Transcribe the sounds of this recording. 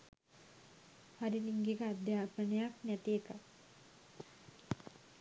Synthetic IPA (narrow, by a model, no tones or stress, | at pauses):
haɾiniŋɡekəad̪jaːpənəjaknæt̪iekə